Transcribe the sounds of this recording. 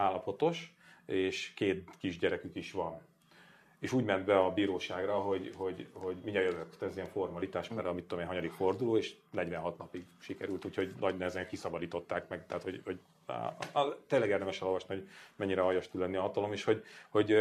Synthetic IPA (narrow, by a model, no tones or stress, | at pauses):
aːlːɒpo̞t̪o̞ʃ | eːʃkeːt̪kiʒɟɛɾɛkykiʃʋɒn | eːʃuːɟmɛnd̪bɛɒbiːɾoːʃaːɡrɒɦo̞ɟho̞ɟho̞ɟmiɲɛjøvøkt̪ɛziɛɱfo̞rmɒlit̪aːʃmɛlːɛɒmit̪ːomeːnɦɒɲɒd̪ikfo̞rd̪uloːeːʃnɛɟvɛnɦɒt̪nɒpiɡʃikɛɾylt̪uːcho̞ɟnɒɟnɛzɛŋkːisɒbɒd̪iːt̪o̞t̪ːaːkmɛɡt̪ɛaːt̪ho̞ɟhoɟ̰ | t̪eːlɛɡeːrd̪ɛmɛʃɛlo̞lvɒʃnihoɟmɛɲːiɾɛɒjɒʃt̪ulːɛnːiɒɦɒt̪ɒlo̞miʃho̞ɟho̞ɟ